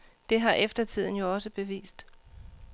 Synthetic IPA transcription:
d̥e̝ɦɑ̈ʔefd̥ɐt͡sʰið̰ˠn̩jo̝ɒ̽səb̥e̝ʋḭːsd̥

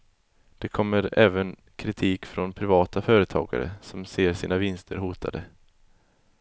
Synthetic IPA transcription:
d̪̥ɛkʰɔmːəɾɛːvən | kʰɾɪt̪ʰiːkfɾɔnpʰɾɪvɑːt̪afœːɾət̪ʰɑ̰ːɡa̰ɾə̰sɔmseːɾsiːnavɪnst̪ʰəɾhuːt̪ʰa̰d̪ə

